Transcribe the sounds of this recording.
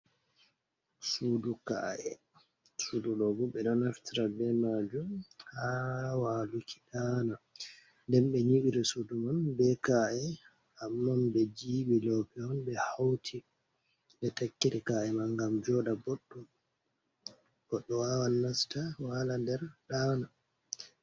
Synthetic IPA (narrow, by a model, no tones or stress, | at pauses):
suduka̰ʔɛ | sudulɔɡuɓɛɗɔnaftiɾabɛmad͡ʒumhawalukʰi̥ɗana | ndɛmɓɛɲiɓiɾɛsudumanbɛkaʔɛ | amːanbɛd͡ʒiːɓilɔpɛɔnbɛhawtʰi | ɓɛtakːiɾikaʔɛmaŋɡamd͡ʒɔɗabɔɗːɔ | b̥ɔɗːɔwawanːastawalandɛɾɗana